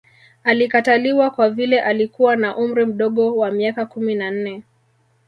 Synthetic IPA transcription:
alikataliwakwavilɛʔalikuwanaʔum̩ɾim̩ɗɔɠɔwamiakakuminan̩nɛ

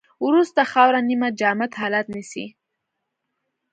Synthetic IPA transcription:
wɾust̪axɑwɾanimad͡ʒɑmat̪ɦɑlat̪nisḭ

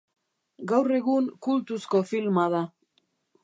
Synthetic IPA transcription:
ɡawre̞ɣuŋkult̪usko̞filmaða

